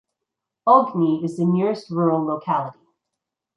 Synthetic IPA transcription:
ɔɡniɪzðɨnɪɹɨst̚ɹuɹl̩ˠloʊkʰælˠəɾi

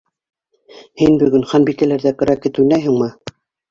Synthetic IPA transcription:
hinbɵ̆ɡɵnχɑnbikælæɾðækɘ̆ɾækɘ̆t̪ʉnæjɦɘ̆ŋmɤ

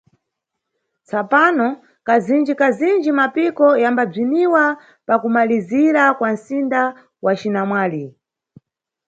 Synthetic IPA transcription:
t͡sapanɔ | kazind͡ʒikazind͡ʒimapikɔjambab͡ʐiniwa | pakumaliziɾakwan̩sinda | wat͡ʃinamwaːli

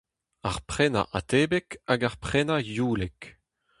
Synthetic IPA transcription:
aʁpχɛna̰ʔa̰t̪eːbɛkaɡaʁpχɛnajuːlɛk

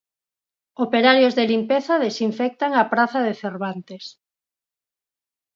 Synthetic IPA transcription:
opeɾaɾjozðelimpeθaðesiɱfɛk̚t̪aŋapɾaθaðeθeɾβant̪es

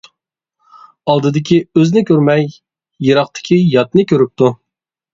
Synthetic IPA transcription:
ɑlˠd̪ɨd̪ɪkʲʰiøznɪkʲʰøɾmɛj | jeɾɑχt̪ʰɪ̥kʲʰijɑt̪nɨkʲʰøɾyp̚t̪ʰu

